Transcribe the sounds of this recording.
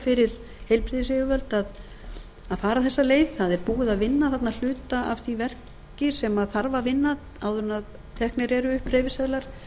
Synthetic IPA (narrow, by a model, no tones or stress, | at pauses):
fɪɾɪɾ̥ | hejlpɾiðɪs̬eɣʏvœlt̪að | aðfaːɾaθɛsːaleːjðθaðɛɾpuːɣɪðaðvɪnːaθat̪nal̥ʏːt̪aʔavθivɛr̥c | ɪsɛmaðθaɾvavɪnːað | awðʏɾʏnað | t̪ʰɛhknɪɾɛɾʏʏhpɾeːjvɪsɛðlaɾ̥